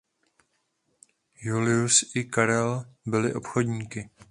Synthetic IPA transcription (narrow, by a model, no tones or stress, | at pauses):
julɪusʔɪkaɾɛlbɪlɪʔo̞pxodɲiːkɪ